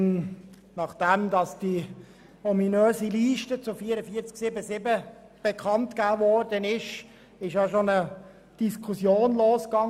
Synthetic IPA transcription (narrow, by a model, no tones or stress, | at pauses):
nɑχd̥ɛmdɑsd̥i | ɔminøːziliːʃtət͡sʊfiːəɾəfiət͡sksɪbəsɪbə | b̥ekʰɑntkæːvɔrdənɪʃ | ɪʃjɑʃonə | d̥iskʰχusjoːnloːskɑŋ